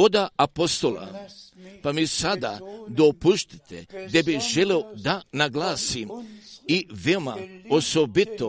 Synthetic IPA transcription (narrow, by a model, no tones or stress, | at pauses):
od̪aapost̪o̞la̰ | pamisad̪ad̪opuʃt̪i̥t̪ʰed̪ebiʒeleod̪anaɡlaːsimiʋeomaosobit̪o